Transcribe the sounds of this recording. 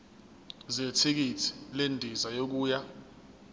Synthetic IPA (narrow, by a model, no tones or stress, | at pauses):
zetʰik̬itʰi̥lendʱizajok̬uːja